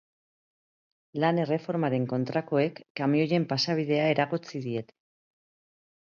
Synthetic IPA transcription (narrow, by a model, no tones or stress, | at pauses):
lane̞re̞fo̞ɾmaɾe̞ŋko̞nt̪ɾako̞e̞kːamio̞je̞mpasaβ̞ið̞e̞ae̞ɾaɣot͡siðie̞t̪